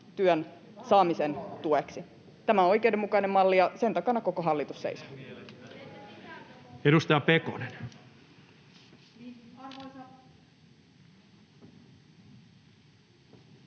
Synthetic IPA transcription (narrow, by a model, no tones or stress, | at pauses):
t̪yøn | sɑːmisent̪ueksi | t̪æmæoo̞jk̟ewdemːukɑine̞mːmɑlːijɑse̞nt̪ɑkɑnɑko̞ko̞ɦɑlːit̪usːḛiso | eɾust̪ɑjɑpeko̰nen